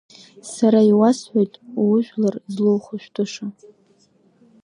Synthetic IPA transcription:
saɾaiwasħʷᶣojtʼwʊʒʷᶣlarzlowχʊʃᶣtʰʼʊʂa

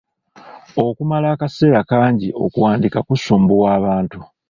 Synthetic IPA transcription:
o̞kumalaːkase̞ːɾakaːɲɟio̞̰kuwaːndikakusuːmbuwaːβaːntu

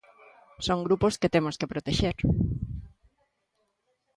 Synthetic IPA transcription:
soŋɡɾuposket̪emoskepɾot̪eʃeɾ

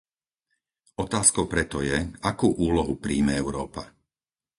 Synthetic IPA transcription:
ɔt̪aːskɔʊpɾɛt̪ɔjɛakuːʔuːlɔɦupɾiːmɛɛʊɾɔːpa

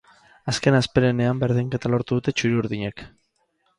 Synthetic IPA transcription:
aske̞naspe̞ɾene̞ambe̞ɾð̞iŋke̞t̪alo̞ɾt̪uðut̪e̞t͡ʃuɾiuɾðiɲe̞k

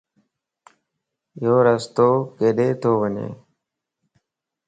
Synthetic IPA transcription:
joːɾəst̪oːkeːɗeːt̪ʰoːʋəɲḛː

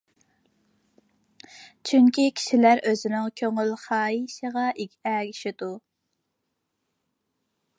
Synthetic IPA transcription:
t͡ʃʰyŋkʲikʲʰi̥ʃilæɾʔøzɪnɪŋkʲʰøŋylχɑːiʃəʁɑʔikʲʰɛɡʲiʃɪd̪u

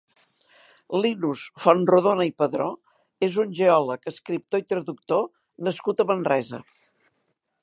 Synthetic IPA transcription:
linusfɔnruðonəipəðɾo | ezunʲʒeɔləkəskɾip̚t̪oit̪ɾəðuk̚t̪o | nəskut̪əmənrɛzə̰

